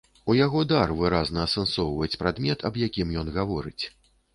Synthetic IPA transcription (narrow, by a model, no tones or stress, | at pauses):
ujaɣɔd̪arvɨɾaznɐːsɛnsɔwvɐjɛt͡sʲpɾad̪mʲɛt̪ʰɐbjakʲimjɔn̪ɣavɔɾɨ̰t͡sʲ